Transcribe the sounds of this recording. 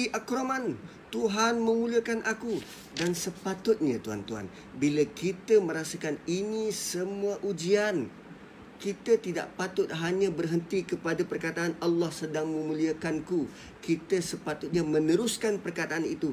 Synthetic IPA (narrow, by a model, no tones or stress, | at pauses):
iʔakɾoman | t̪uɦanmə̃muliakanʔaku | dansəpat̪ʊt̪̚ɲat̪ua̰nt̪uɦa̰n | bilakit̪əmə̃ɾasakaninisəmuaʔud͡ʒian | kit̪at̪ida̰ʔpat̪ʊt̪̚ɦaɲãbərɦənt̪ikəpadapərkat̪aanalːɑhsədaŋmə̃muliakanku | kit̪asəpat̪ʊt̪̚ɲamənəɾuskanpərkat̪aʔanit̪u